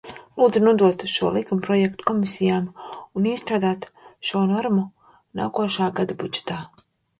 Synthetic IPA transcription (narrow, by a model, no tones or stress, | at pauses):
lˠuːd̪zunuɔd̪uɔt̪ʃuɔlˠikumpɾɔjɛkt̪u̥kɔmisijaːmuniːst̪ɾaːd̪aːt̪ʃuɔnɔɾmu | na̰ːkuɔʃaːɡad̪abṵd͡ʒɛ̥t̪aː